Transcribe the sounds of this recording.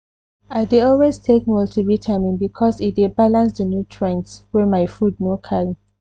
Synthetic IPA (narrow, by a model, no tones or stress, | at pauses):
aɪdeɔlweztʰek̚mɔltʰibitʰamĩŋbikʰɔsidebalãnsdənjutʰɹɛ̃nkswɛmaɪfud̚nokʰaɹi